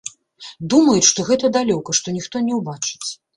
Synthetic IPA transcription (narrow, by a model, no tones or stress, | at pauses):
d̪umɐjut͡sʲʂt̪ɔɣɛt̪ɐd̪alʲɔkɐʂt̪ɔnʲixt̪ɔnʲɛwbat͡ʂɨ̥t͡sʲ